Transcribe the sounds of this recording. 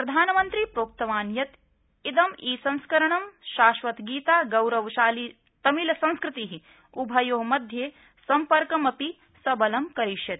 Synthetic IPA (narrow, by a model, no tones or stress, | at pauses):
pɾɐd̪ʱaːnɐmɐnt̪ɾipɾoːk̚t̪ɐʋaːnjɐt̪ | id̪ɐmiːsɐ̃ñskɐɾɐɳɐmʃaːʃʋɐt̪ɡiːt̪aːɡɐwɾɐʋʃaːli | t̪ɐmilɐsɐ̃nskɾɪt̪iɦi | ubʱɐjoːɦmɐd̪ʱjeː | sɐmpɐɾkɐmɐpi | sɐbɐlɐmkɐɾiʃjɐt̪